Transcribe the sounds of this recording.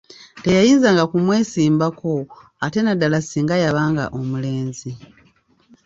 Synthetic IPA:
te̞jajiːnzaːŋɡakumwe̞ːsiːmbako̞ | ate̞nadalasiːŋɡajaβaːŋɡa̰ʔomule̞ːnzi

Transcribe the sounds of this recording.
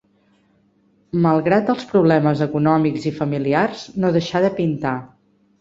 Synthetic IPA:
məlˠɣɾat̪̚əlˠspɾuβ̞lɛməzəkunɔmikzifəmiliarznoðəʃaðəpint̪a

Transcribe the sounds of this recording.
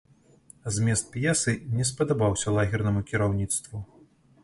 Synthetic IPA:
zʲmʲɛst̪̚pʲjɛsɨnʲɛspɐd̪abawsʲɐlˠaɣʲirnɐmukʲiɾawnʲit̪st̪vu

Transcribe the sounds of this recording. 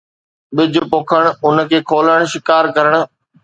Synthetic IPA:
ɓɪd͡ʑʱʊ̆poːkʰəɽ̃ʊnə̆kʰeːkʰoːləɽ̃ʃɪkaːɾkɐɾəɽ̃̆

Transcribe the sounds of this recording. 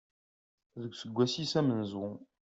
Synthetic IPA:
ðəɡʷsəɡʷæsisæmənzwʊ̃

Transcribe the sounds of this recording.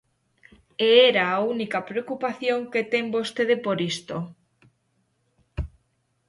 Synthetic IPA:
eeɾaːunikapɾeokupaθjoŋket̪embost̪eðepoɾist̪o

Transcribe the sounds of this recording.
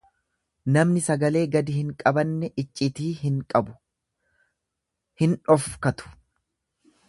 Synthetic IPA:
nɐmnɪsɐɡɐle̞ːɡɐd̪ɪhɪŋkʼɐbɐnːɛʔɪt͡ʃʼːɪt̪iːkʼɐbʊ̥ | hɪnᶑɔfkɐt̪ʊ̥

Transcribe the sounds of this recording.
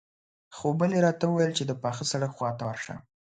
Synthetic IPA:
xobəleɾɑt̪awəwajəlt͡ʃed̪əpɑxəsaɽakxwɑt̪awaɾʂa̰

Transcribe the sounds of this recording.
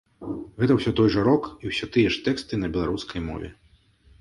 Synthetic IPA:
ɣɛt̪ɐwsʲɔt̪ɔjʐɐɾɔkiwsʲɔt̪ɨjɛʂt̪ɛkst̪ɨnɐbʲɛlˠaɾuskʰɐjmɔ̰vʲɛ̰

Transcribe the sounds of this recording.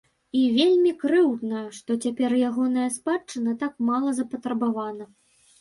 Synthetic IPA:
ivʲelʲmʲikɾɨwd̪nɐʂt̪ɔt͡sʲapʲɛrjaɣɔnɐjɐspat͡ʂɨnɐt̪akmalˠɐzɐpɐt̪ɾɐbavanɐ

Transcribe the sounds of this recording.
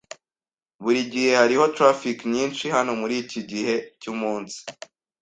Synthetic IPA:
βuɾiɟihe̞haɾiho̞tɾafikɲiːnʃihano̞muɾiːciɟihe̞cumuːnsi̥

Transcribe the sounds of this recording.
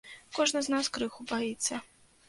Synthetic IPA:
kɔʐnɨznaskɾɨxubajit̪sːɐ

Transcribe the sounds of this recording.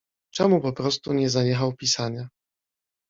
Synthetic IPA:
t͡ʂɛmupɔpɾɔst̪uɲɛzaɲɛxawpʲisaɲa

